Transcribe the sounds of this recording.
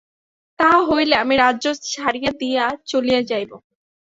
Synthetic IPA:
t̪aɦojleamiɾaːʑoʃaɾijad̪ijat͡ɕolijad͡ʑajbo

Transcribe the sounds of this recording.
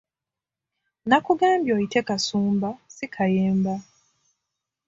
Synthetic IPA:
nakuɡaːmbjoitekasuːmbasikʰajeːmba

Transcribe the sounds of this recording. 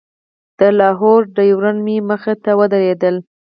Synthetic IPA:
d̪̥əlɑɦɔɾɖəjwɾanmiməxet̪awəd̪aɾed̪əl

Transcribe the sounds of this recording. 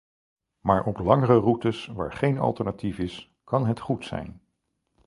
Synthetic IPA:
maːɹʔɔplɑŋərərutəsʋa̰ːɹχejnɑ̰lˠtəɹnatifɪs | kɑnɦətχutsɛ̰jn

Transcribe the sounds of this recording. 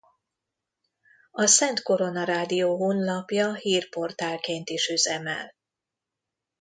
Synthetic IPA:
ɒsɛnt̪ko̞ɾo̞nɒɾaːd̪ijoːɦoːnlɒpjɒhiːrpo̞rt̪aːlkeːnt̪iʃyzɛmɛ̰l

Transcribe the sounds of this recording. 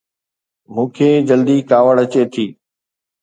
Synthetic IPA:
mũːkʰeːd͡ʑəld̪iːkaːʋəɭət͡ɕeːt̪ʰiː

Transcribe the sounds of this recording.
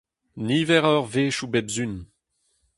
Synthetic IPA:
niːvɛʁœʁveːʃubɛbzyn

